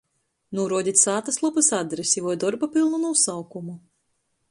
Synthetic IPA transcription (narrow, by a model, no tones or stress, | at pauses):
nuɔɾuɔd̪ʲit̪ʲsaːt̪aslˠɔpɨsad̪ɾesʲivɔjd̪ɔɾbapilˠnunusawkumu